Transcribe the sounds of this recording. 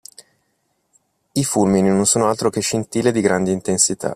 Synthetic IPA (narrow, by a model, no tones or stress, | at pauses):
ifulmininonsoːnoalt̪ɾokeʃːint̪iːled̪iɡɾand̪eint̪ensit̪a̰